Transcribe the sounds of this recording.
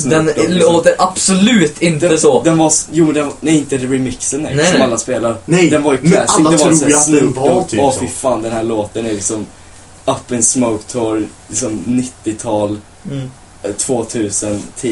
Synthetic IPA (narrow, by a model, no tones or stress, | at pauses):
d̪ɛnloːt̪əɾʔab̥sɔlʉːt̪ɪnt̪əsɔd̪ɛnvajuːmɛnd̪ɛnnɛæɾɪnt̪əɾɪmɪksənːɛɔmalːaspeːlaɾəɛd̪ɛnvaɾjæɪd̪ɛvsslʉːɔfɪfɑːnd̪ɛnhæːɭoːt̪ənæɾlɪksɔm | apːənsmoʊkt̪ʰoːɾlɪksɔmnɪt̪ːɪt̪ʰɑːl | t̪ʰv̥oːt̪ʰʉ̟ːsənt̪ʰi